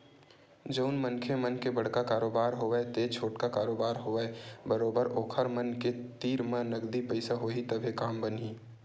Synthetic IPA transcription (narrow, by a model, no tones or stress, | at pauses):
d͡ʒəʊnmənkʰemənkebɐɽ̤kakaːɾoːbaːɾɦoːʋɛet̪et͡ʃʰoːʈkakaːɾoːbaːɾɦoːeebəɾoːbəɾoːkʰəɾmənket̪iːɾmẽnɐɡd̪ipəɪsaɦoːit̪ɐbʱekaːmbəniː